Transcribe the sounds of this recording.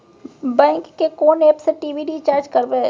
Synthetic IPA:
bɛ̃ːŋkːekoːneːpseʈiːʋiɖit͡ʃaːɾd͡ʒkəɾbeː

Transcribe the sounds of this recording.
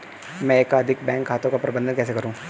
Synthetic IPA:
mɛ̃eːkɐd̪ʱɪk̚bɛ̃ːŋkɦaːt̪õkapɾɐbə̃nd̪ənkɛːs̬ekɐɾũː

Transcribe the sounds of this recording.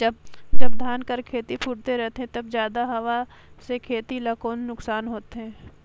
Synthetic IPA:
d͡ʒɐb̚d͡ʒɐbd̪ʱaːnkəɾkʰeːt̪ipʰuʈt̪eɾɛɦt̪eɦɛ̃t̪ɐbzjaːd̪aɦɐʋa | sekʰeːt̪ilɐkoːnːʊksaːnɦoːt̪eɦɛ̃ː

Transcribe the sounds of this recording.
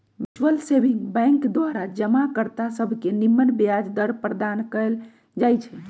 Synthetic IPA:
ʋid͡ʒwəlsebĩŋɡbɛ̃ŋkd̪ʋaɾad͡ʒəmakəɾt̪asəbʱkenimːənbjad͡ʒd̪əɾpɾəd̪ankəl | d͡ʒajt͡ʃʰɛ

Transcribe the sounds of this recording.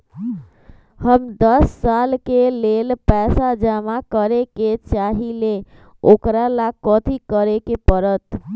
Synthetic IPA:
həmd̪əsːalkelelpɛsad͡ʒamakəɾeket͡ʃaɦile | okɾalakɔt̪ʰikəɾekepəɾət̪

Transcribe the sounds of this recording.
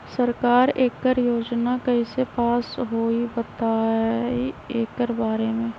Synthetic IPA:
səɾkaːɾeːkːəɾjoːd͡ʒnakəɦisepaːsɦoːibət̪aieːkːəɾbaːɾemẽː

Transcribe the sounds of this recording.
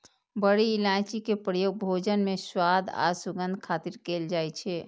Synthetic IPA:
bəɽiːlãːt͡ʃikepɾəjoːɡ̚bʱoːd͡ʒənmẽswaːd̪ʱa̰ːsuɡə̃nd̪ʱkʰaːt̪iɾkeːld͡ʒaːɛt͡ʃʰɛː

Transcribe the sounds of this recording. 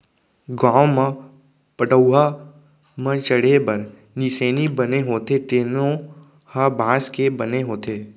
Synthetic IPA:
ɡãːmə̃ | pəʈəʊɦa | mə̃t͡ʃəɽ̤ebəɾ | niseːnibəneɦoːt̪et̪eːnõ | habʱãːskebəneɦoːt̪eː

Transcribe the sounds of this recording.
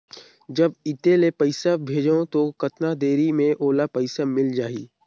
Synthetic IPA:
d͡ʒɐbɪt̪elepɐɪsabʱeːd͡ʒõt̪okɐt̪nad̪eːɾimẽʔoːlapɐɪsamɪld͡ʒaːḭː

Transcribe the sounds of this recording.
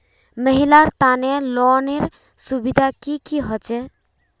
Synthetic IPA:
məɦilaɾt̪anelɔneɾ | subid̪ʱakikiɦɔt͡ʃɛ

